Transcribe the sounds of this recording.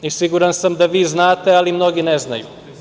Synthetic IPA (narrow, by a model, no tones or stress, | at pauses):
isiɡuɾansamd̪aʋiːznaːt̪e̞alimno̞ɡineznaju